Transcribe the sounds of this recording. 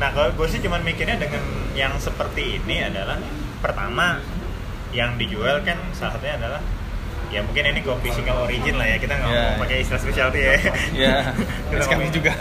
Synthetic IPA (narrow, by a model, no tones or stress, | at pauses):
nahkaloɡuasɪht͡ʃumanmikɪrɲadəŋanjaŋsəpərt̪iːniadalah | pərt̪a̰ma | jaŋdid͡ʒualkansalaɦat̪̚ɲaːdalah | jamuŋkɪniniɡuapisɪŋaloɾid͡ʒɪnlahjakit̪aŋɡapakeist̪ɾaspesialt̪ujaa | dulaad͡ʒuɡa